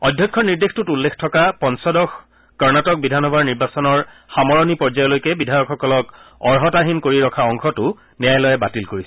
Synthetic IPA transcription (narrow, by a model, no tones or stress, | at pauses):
ɔdʱjɔkʰːɔniɹdextutulːekʰtʰɔkapɔnsɔdɔx | kɔɹnatɔk̚bidʱanɔbʱaɹniɹbasɔnɔɹxamɔɹɔnipɔɹzajɔlojkɛbidʱajɔkxɔkɔlɔkɔɹɦɔtaɦinkoɹiɹɔkʰaɔŋxɔtʊ | nɛjajlɔjɛbatilkoɹisɛ